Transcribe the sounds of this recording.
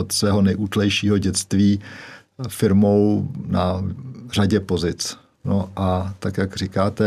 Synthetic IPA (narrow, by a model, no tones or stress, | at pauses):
ot̪svɛːɦo̞nɛjʔuːt̪lɛjʃiːɦo̞ɟɛt͡st̪viː | fɪɾmownar̝aɟɛpo̞zɪt͡s | noʔat̪akjakr̝ɪkaːt̪ɛ